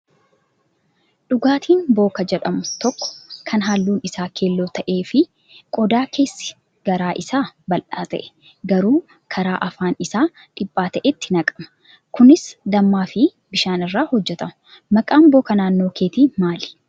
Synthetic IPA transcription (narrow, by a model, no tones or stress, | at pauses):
ᶑʊɡaːt̪ʰiːnbo̞ːkɐd͡ʒɛᶑɐmʊt̪ɔkːɔ̥kʰɐnɦaːlːuːnɪsaːkʰe̞ːlːoːt̪ɐʔe̞ːfɪ | kʼɔd̪aːkʰe̞ːsːɪ̥ | ɡ̥ɐɾaːʔɪsaːbɐlʔaːt̪ɐ̰ʔɛ̥ | ɡɐɾuː | kʰɐɾaːʔɐfaːnɪsaː | ᶑɪpʼːaːt̪ɐʔɛt̪ːɪnɐkʼɐ̥mɐ̥ | kʊnɪsd̪ɐmːaːfɪ | bɪʃaːnɪrːaːhɔd͡ʒːɛt̪ɐmʊ | mɐkʼaːmbo̞ːkɐnaːnːo̞ːkʰeːt̪iːmaːlɪ̥